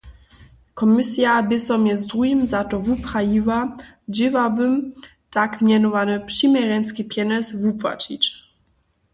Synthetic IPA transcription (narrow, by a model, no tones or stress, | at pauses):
kɔmisjabɪsɔmjɛzdʁujimzatɔvupχajiwa | d͡ʑɪvavɘm | takmʲjɛnɔvanɨpʂimɛɾɛnskʲipjɛnɛsvupva̰t͡ʃit͡ɕ